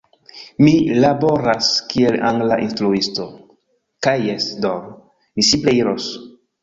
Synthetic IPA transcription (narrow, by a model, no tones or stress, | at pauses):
milabo̞ɾaskielaŋɡlaʔinstɾuisto̞ | kajːesdoɾ | misipleiɾos